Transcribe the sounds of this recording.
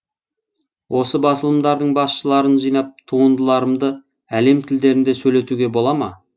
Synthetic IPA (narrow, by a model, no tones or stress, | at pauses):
wʔo̞səbɑsəlˠəmd̪ɑɾd̪əɴbɑsʃəlˠɑɾənʒijnɑp̚t̪ʰuʁənd̪əlˠɑɾəmd̪ə | æle̞mt̪ʰɪld̪e̞ɾɪnd̪e̞sɵjle̞t̪uɡʲe̞bo̞lˠɑmɑ̰